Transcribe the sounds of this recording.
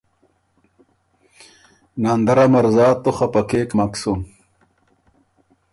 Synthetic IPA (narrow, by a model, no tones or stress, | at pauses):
nand̪ɐɾamɐɾzaːt̪ːoχɐpɐkeːkmɐksun